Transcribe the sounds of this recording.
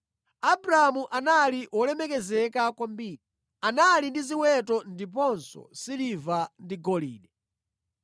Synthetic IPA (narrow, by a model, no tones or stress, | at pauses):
abuɾaamuʔanaliʔwɔlɛmɛkɛzɛkakwambiːɗi | analindiziwɛtɔndip̬ɔnsɔ̰silivandiɡɔlḭːɗɛ